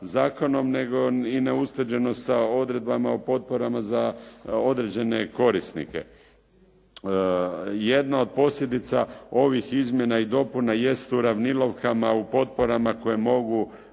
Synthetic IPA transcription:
zaːko̞no̞mne̞ɡoineust̪r̩d͡ʑe̞nosao̞d̪ɾe̞d̪̚bamaupo̞t̪̚po̞ɾamazao̞d̪ɾe̞d͡ʑe̞ne̞ko̞ɾisnḭkḛ | je̞d̪nao̞d̪̚po̞sʎʲe̞d̪it̪sao̞ʋixizmje̞naid̪o̞punaje̞st̪uɾaʋnilo̞ʋkamaupo̞t̪̚po̞ɾamako̞jemo̞ɡu

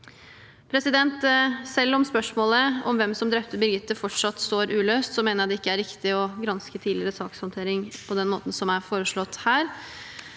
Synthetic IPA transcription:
pʰɾɛsɪd̪ɛnt̪sɛlːɔmspœʂmoːləɔ̰mʋɛmsɔmd̪ɾɛp̚t̪əbɪɾɡɪt̪ːəfɔʈʂɑt̪ːst̪oːɾʔʉːløːst̪sɔmeːnəɾj̪d̪ɛɪkːəæɾɪkt̪ɪɔɡɾɑnskət̪ʰiːdlɪɾəsɑːkshɔnt̪ʰeːɾɪŋpʰɔd̪ɛnmo̰ːt̪n̩sɔmæɾfoːɾəʂɭɔt̪ːhæːɾ

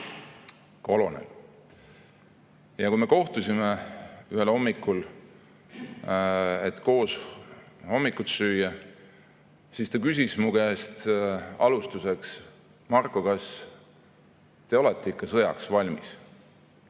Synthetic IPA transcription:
ko̞lo̞nḛl | jɑkujme̞ko̞ht̪usʲimeyhelho̞mːikːˑul | et̪ko̞ːs | ho̞mːikːˑut̪syːjɑ | sist̪ɑkys̬ʲismuɡ̥est̪ɑ̰lust̪use̞ks | mɑrkːˑokɑs | t̪e̞o̞let̪ˑːeikːɑsɤjɑ̰ksvɑlʲmḭs

